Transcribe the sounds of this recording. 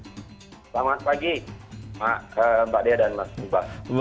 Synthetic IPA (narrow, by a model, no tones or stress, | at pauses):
slaŋat̪̚paɡimaʔəmbaʔdiadanmasnubas